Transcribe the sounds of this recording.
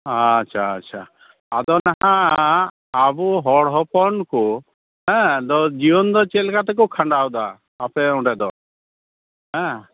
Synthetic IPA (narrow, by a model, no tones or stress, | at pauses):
aʃʰaːʃʰa | ad̪ɔnaɦãː | buɦɔɽɦɔpɔnku | ɦɛ̃d̪ɔd͡ʒiɔnd̪ɔt͡ʃelkat̪ɛk̬ukʰaɳɖawd̪aː | pɛũɖɛd̪ɔ | ɦɛ̃